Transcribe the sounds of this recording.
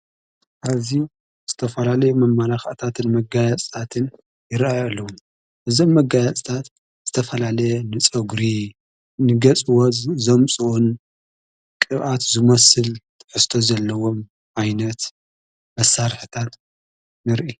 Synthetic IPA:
ʔazi | z̥ɨt̪ʰɐfɐlalɐjumɐmːalaxaʔt̪ʰat̪ʰɨnmɐɡajat͡sʼt̪ʰat̪ʰɨn | jɪɾajalːɐwum | ʔɨzo̞mːɐɡajat͡sʼt̪ʰat̪ | z̥ɨt̪ʰɐfɐlalɐjɛnɨt͡sʼɐɡɾi | nɨɡɐt͡sʼɨwɔzɐmt͡sʼun | kʼɨβʔat̪zɨmɐsɨlt̪ʰɨ̥ħɨst̪ʰo̞zɐlːɐwo̞m | ʔajnɐt̪ | mɐsːaɾħɨt̪ʰat̪ | nɨɾʔi

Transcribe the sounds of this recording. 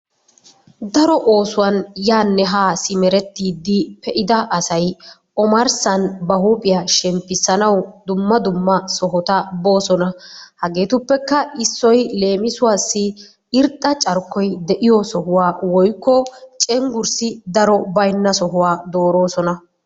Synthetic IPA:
d̪ɐɾɔʔo̞ːsʊwɐnjaːnːɛɦaːsɪmɛɾɛt̪ːiːd̪ːɪpɛʔɪd̪ɐʔɐsɐj | ɔmɐɾsɐnbɐɦupʼɪjaʃɛmpːɪsːɐnɐwd̪ʊmːɐd̪ʊmːɐsɔɦɔt̪ɐbo̞ːsɔnɐhɐɡe̞ːt̪ʊpːɛkːɐɪsːɔjle̞ːmɪsʊwaːsːɪ | ɪɾt̪ʼːɐt͡ʃʼɐɾkːɔjd̪ɛʔɪjɔsɔɦʊwaːwɔjkːɔt͡ʃʼɛŋɡʊɾsɪd̪ɐɾɔbɐjnːɐsɔɦʊwaːd̪o̞ːɾo̞ːsɔnɐ

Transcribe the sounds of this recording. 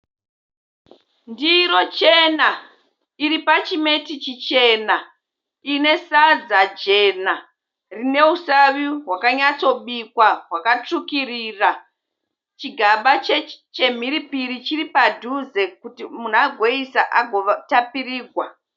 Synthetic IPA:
ndiɾo̞t͡ʃena | iɾipat͡ʃime̞tit͡ʃit͡ʃe̞na | ine̞sad͡zad͡ʒe̞na | rine̞usaʋiɦwakaɲat͡so̞ɓikwaɦwakat͡ʂukiriːra | t͡ʃiɡʱaɓat͡ʃet͡ʃe̞m̤iɾipiɾit͡ʃiripadʱuze̞kutimun̤aɡʱo̞isaʔaɡʱotapiriːɡʱwa

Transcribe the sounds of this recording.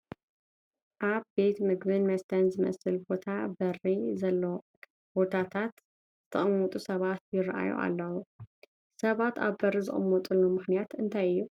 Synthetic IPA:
ʔaβbe̞t̪mɨɡbɨnmɐst̪ʰɐnzɨmɐ̰sɨlbo̞t̪ʰabɐrizɐlːo | b̥o̞t̪ʰat̪ʰat̪ | z̥ɨt̪ʰɐχʼɨmːɔt̪ʼusɐβat̪̚jɪrɐʔa̰jṵʔa̰lːɐwu | sɐβat̪a̰βbɐrizɨ̰χʼɨ̰mːɔt̪ʼɨlːumɨxnijat̪ɨnt̪ʰajɨjːu

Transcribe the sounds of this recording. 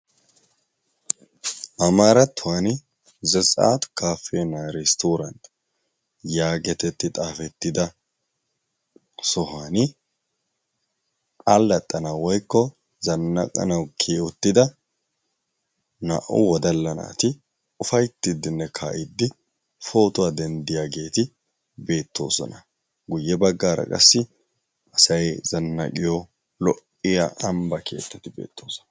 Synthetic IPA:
ʔɐmaːɾɐt̪ːʊwaːnɪ | zɛsʼa̰ːt̪ʊ̥kʰaːfeːnaːɾɛst̪uːɾɐnt̪ | jaːɡɛt̪ɛt̪ːɪt̪ʼaːfɛt̪ːɪd̪ɐ | sɔɦaːnɪ | kʼalːɐt̪ʼːɐnɐwɔjkːɔ | zɐnːɐ̰kʼɐ̰nɐwkʰeːʊt̪ːɪd̪ɐ | na̰ʔʊ̰wɔd̪ɐlːɐna̰ːt̪ɪ | ʊfɐjt̪ːɪd̪ːɪnːɛkʰa̰ːʔɪd̪ːɪ | fo̞ːt̪ʊwaːd̪ɛnd̪ɪjaɡe̞ːt̪ɪ | be̞ːt̪ːo̞ːsɔ̰nɐ | ɡʊjːɛbɐɡːaːɾɐ̰kʼɐ̰sːɪ | ʔɐsɐjz̥ɐnːɐ̰kʼɪjɔ | lɔʔːɪja̰ʔɐmbɐkʰe̞̰ːt̪ːɐt̪ɪbe̞̰ːt̪ːoːsɔ̥nɐ

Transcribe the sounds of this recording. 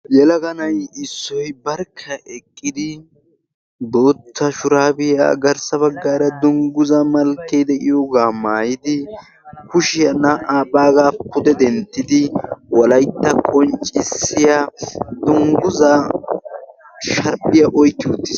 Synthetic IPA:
jɛlɐɡɐnɐjɪsːɔjbɐɾkʰːɐʔɛkʼːɪd̪ɪ | b̪oːt̪ʰːɐʃʊɾaːbɪja̰ːɡɐɾsɐβɐɡːaːɾɐd̪ʊŋɡʊzɐmɐlkːed̪ɛʔɪjɔɡaːmaːjɪd̪ɪ | kʊʃɪjɐnɐʔaːpʼaːɡaːpːʊd̪ɛd̪ɛnt̪ːɪd̪ɪwɔlɐjt̪ːɐkʼɔnt͡ʃʼːɪsːɪjad̪ʊŋɡʊzɐ | ʃɐɾpɪjɐʔɔjt̪ːɪʊt̪ːɪs

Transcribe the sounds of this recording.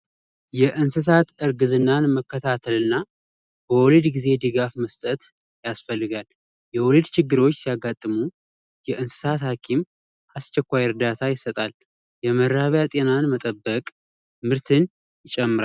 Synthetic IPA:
jɛʔɨnsɨs̬at̪ɨɾɡɨzɨnːanməkːət̪ʰat̪ʰəlɨnːa | b̥əwɔlid̪ɡize̞d̪ɨɡafməst̪ʼət̪ | jasfəlːɨɡal | jɛwɔlid̪t͡ʃʰɪɡːɨɾo̞t͡ʃːsijaɡat̪ʼːɨmu | jɛʔɨnsɨ̥sat̪hakʰim | ʔast͡ʃːɛkʷːajɾd̪at̪ʰajɪsət̪ʼal | jɛməɾːaβjat̪ʼe̞nanmət̪ʼəbːəkʼ | mɨɾt̪ʰɨn | jɪt͡ʃʼɛmːɨɾal

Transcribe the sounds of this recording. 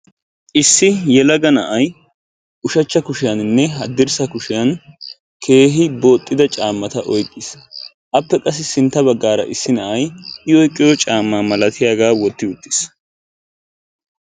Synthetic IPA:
ʔɪsːɪjɛlɐɡɐnɐʔɐj | ʔʊʃɐt͡ʃːɐkʊʃɪjɐnɪnːɛɦɐd̪ːɪɾsɐkʊʃɪjɐn | kʰe̞ːɦɪbo̞ːt̪ʼːɪd̪ɐt͡ʃʼaːmːɐt̪ɐʔɔjkʼːɪs | ʔɐpːɛkʼɐs̬ːɪsɪnt̪ːɐbɐɡːaːɾɐ̰ʔɪsːɪnɐʔɐjɪɔjkʼːɪjɔt͡ʃʼaːmːaːmɐlɐt̪ɪjaːɡaːwɔt̪ːɪʊt̪ːɪ̥s

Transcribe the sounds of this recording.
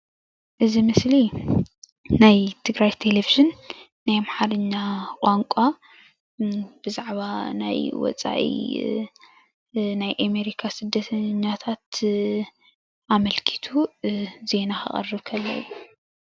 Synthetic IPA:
ʔɨzimɨsli | ajt̪ʰɨɡɾajt̪ʰe̞leviʒɨnː | ajmħaɾɨɲːakʼaŋkʷʼa | b̥ɨzaʕβana̰jwɔ̰t͡sʼa̰ʔḭ | najʔame̞ɾikʰasɨd̪ːɐt̪ʰɐɲːat̪ʰat̪ | ʔamɐlkʰi̥t̪ʰuze̞naxɨ̰χʼɐ̰rɨβkʰɐlːɐ̰ɨ̰ːu

